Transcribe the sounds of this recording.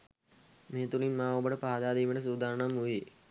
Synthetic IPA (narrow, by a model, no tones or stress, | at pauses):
meːt̪ulinmaːobəʈəpaɦad̪aːd̪iːməʈəsuːd̪ʱaːɾəɳamɦuʋeː